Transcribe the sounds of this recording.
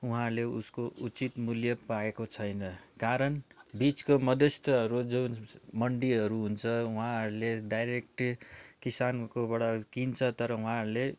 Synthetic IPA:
uɦãleuskoʔut͡sit̪muljʌpaɡekot͡sʰʌjnʌkaɾʌnbit͡skomʌd̪ʌst̪ʌɦʌɾud͡zunmʌɳɖiɦʌɾuɦunt͡sʰʌuɦãɦʌɾuleɖajɾek̚ʈkisankobʌɽʌkint͡sʰʌt̪ʌɾʌũɦãɦʌɾle

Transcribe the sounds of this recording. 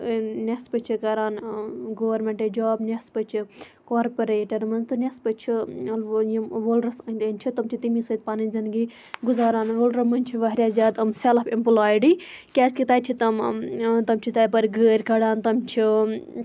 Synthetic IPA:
nʲespɐt͡ʃʰikɐɾaːnɡoːʋɐɾmeɳʈed͡ʒoːbnʲespɐt͡ʃʰi | koːɾpɐɾeːʈɐɾmɐnzt̪ɨnʲespɐt͡ʃʰiɐljimʋolɾɐst̪ɐnʲt͡ʃʰit̪ɐmt͡ʃʰit̪imisɐt̪̚paninʲzɐnɡi | ɡuzaːɾaːnʋolɾɐmɐnʲt͡ʃʰiʋɐɦɾʲjaːzʲjaːd̪ɐmsalɐpimpulaːjɖikʲaːskʲit̪aːt͡ʃʰit̪ɐmt̪ɐmt͡ʃʰit̪ɐːjpɐɾʲɡəːɾʲkɐɽaːnt̪ɐmt͡ʃʰi

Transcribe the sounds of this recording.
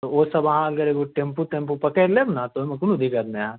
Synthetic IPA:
t̪ooːsɐbɐɦãɐɡəɾeːkoʈẽmput̪empupɐkeɾlebnat̪oemɐ̃kunud̪ikad̪̚mẽã

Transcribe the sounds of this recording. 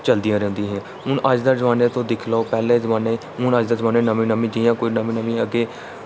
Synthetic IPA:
t͡ʃəld̪ĩjãːɾɛ̃ːnd̪ĩːɦɛ̃ː | ɦʊnʔəd͡ʒd̪aːzəʋaːneːt̪õːd̪ɪkʰlaoːpɛːlẽːzəʋaːneː | ɦʊnəd͡ʒd̪aːzəʋaːnẽːnəmĩːnəmĩːd͡ʒijãːkoːiːnəmĩːnəʋĩːəɡeː

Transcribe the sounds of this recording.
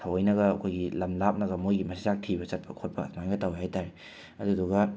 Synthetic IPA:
tʰɐwɐjnɐɡɐːkʰojɡilɐmlap̚nɐɡɐmojɡimɐsʰizak̚tʰibɐt͡ʃɐt̚pɐkʰot̚pɐ̰majɡɐtawhajtaɾe | ɐduduɡɐ

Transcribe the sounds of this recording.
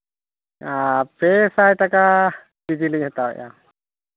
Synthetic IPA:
apɛsajtaka | did͡ʒiliʔhɛt̪awɛ̰ʔja̰

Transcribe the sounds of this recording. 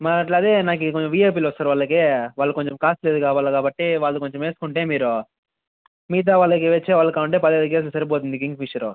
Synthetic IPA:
mɐɐʈlɐd̪enaːkikoɲt͡ʃmʋiːjeːp̬iːlɐst̪aːɾuʋaːɭːɐkeːʋaːɭːɐkoɲt͡ʃɐmkaːst̪leːd̪ukaːʋaːlukaːbɐʈːiʋaːɭːɐkoɲt͡ʃɐmeːsu̥kuɳʈeːmiːɾu | miːt̪̬aːʋaːɭːɐk̬iʋet͡ʃːeːʋaːɭːɐkaːuɳʈeːpɐd̪ieːd̪uk̬eːs̬ulɐsɐɾipoːt̪̬und̪ikiŋɡmiʂɐɾu

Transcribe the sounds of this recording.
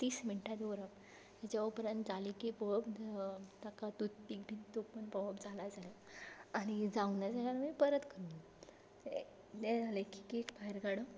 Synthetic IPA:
t̪iːsminʈʰad̪oɾap̚ | j̪at͡ɕjaupɾãnt̪d͡zalikipəwpt̪akat̪ut̪̚pik̚bʱit̪t̪opəɳpəʋəpd͡zʱalad͡zala | aɽ̃id͡zaʋnjad͡zaaɾmipəɾət̪kəɾun | d̪ɛ̃d͡zaləki̥kekbaɦeɾɡaɽə

